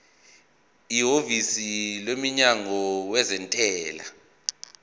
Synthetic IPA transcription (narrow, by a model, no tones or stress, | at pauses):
iɦovisilemiɲaŋɔwɛzɛntʼɛːla̰